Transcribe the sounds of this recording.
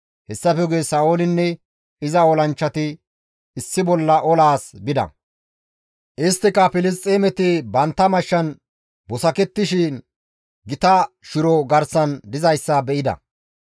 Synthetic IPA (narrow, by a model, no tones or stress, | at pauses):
hɛsːɐfɛɡesɐːoːlɪnːɛ | ɪzɐɔlɐnt͡ʃːɐt̪ɪː | sːɪbɔlːɐʔɔlaːsbɪd̪ɐ̰ | ʔɪst̪ːɪkɐpɪlɪs̬t̪ʼːemɛt̪ɪbɐnt̪ːɐmɐʃːɐn | bɔsɐkɛt̪ːɪʃɪn | ɡɪt̪ɐ | ʃɪɾɔɡɐɾsɐnd̪ɪzɐjsːɐbɛʔɪd̪ɐ̰